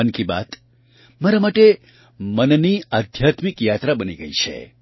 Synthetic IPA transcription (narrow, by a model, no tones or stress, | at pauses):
ənkiba̰t̪ | maɾamaʈe | mənniad̪ʱjat̪mikjat̪ɾabəniɡəit͡ʃʰḛ